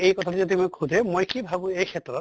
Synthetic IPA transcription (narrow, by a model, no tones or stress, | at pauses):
ejkɔtʰatɛzodimojkʰudʱɛmojkibʱabũejkʰɛtɹɔt